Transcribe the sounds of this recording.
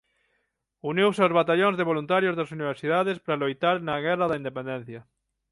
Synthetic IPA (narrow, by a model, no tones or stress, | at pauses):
uniwseozβat̪aʎõnzðeβolunt̪aɾjozðasuniβ̞eɾsiðaðespɾalojt̪aɾnaɣɛraðaind̪epẽnd̪en̟θja